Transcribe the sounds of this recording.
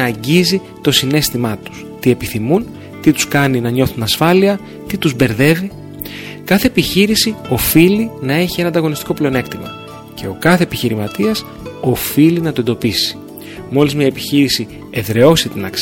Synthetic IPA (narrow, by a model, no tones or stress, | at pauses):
ɟizi | t̪o̞sine̞st̪imɐt̪u̥st̪ie̞piθimun | t̪it̪u̥skɐninɐɲo̞θunɐsfɐliɐ | t̪it̪uzbe̞ɾðe̞vi | kɐθe̞ːpiçiɾisio̞filinɐe̞çienɐnd̪ɐɣo̞nist̪iko̞pleone̞kt̪imɐ̰ | ce̞o̞kɐθeːpiçiɾimɐt̪iɐs | o̞filinɐt̪o̞e̞nd̪o̞pisi̥ | mo̞lizmɲɐepiçiɾisi | e̞ðɾe̞o̞sit̪inɐks